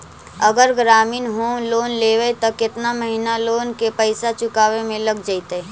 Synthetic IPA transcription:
ɐɡəɾɡɾaːmiːnɦoːmloːnleːʋeet̪ɐkɪt̪naməɦinaloːnkepəɪsat͡ʃʊkaːʋemẽlɐɡd͡ʒait̪eː

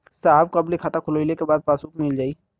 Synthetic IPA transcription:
saːɦb̚kɐblikʰaːt̪akʰʊloilekebaːd̪̚paːsuːkmɪld͡ʒaːiː

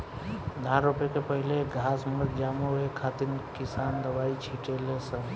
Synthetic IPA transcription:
d̪ʱaɾopekepəɦileɡʱasməɾd͡ʒamoɦekʰat̪iɾkisand̪əbait͡ʃʰiʈelesə̃

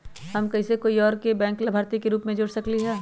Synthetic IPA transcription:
hɐmkɐisekoːiɔːɾkebɛ̃ːŋklabʱaːɾt̪ikeɾuːpmẽd͡ʒʊɽsɐkliɦɛː

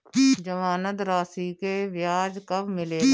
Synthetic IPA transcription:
d͡ʒəmaːnət̪ɾaːsikeʋjaːd͡ʒkɐbmɪleː

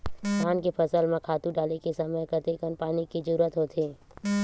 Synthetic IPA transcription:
kʰaːnkepʰəsəlmẽkʰaːt̪ũɖaːlekesɐməjkəɾt̪ekənpaːnikid͡ʒəɾuːɾət̪ɦoːt̪ʰeː

